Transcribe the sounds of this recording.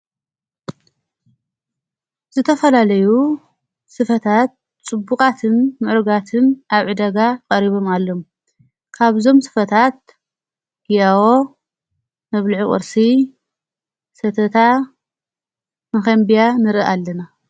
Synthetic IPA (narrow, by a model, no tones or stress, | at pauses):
z̥ɨt̪ʰɐfɐlalɐju | sɨfɐt̪ʰat̪̚ | t͡sʼɨbːukʼat̪ʰɨnːɨʕɾɡat̪ʰɨnʔaβʕɨd̪ɐɡakʼɐɾiβo̞malːo̞m | kʰaβzo̞msɨ̥fɐt̪ʰat̪̚ | ɡijawo | mɐβlʕukʼɨ̰ɾsi | sɐt̪ʰɐt̪ʰa | mɐxɐmbijanɨɾɨʔalːɐna